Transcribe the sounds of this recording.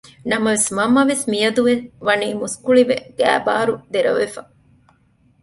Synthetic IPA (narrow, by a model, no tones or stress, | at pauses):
nɐmɐʋesmɐmːɐʋesmijɐd̪uʋeʋɐniːmuskuɭiʋḛɡ̥æ̰ːba̰ːɾud̪eɾɐ̰ʋefɐ